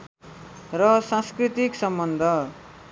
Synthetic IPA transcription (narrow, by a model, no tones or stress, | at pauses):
rʌsãskrit̪iksʌmbʌnd̪ʱʌ